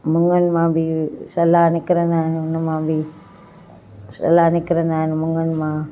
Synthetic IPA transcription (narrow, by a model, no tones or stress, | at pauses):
məŋənmabisalanikəɾənannamabi | sa̰lanikəɾənanməŋənma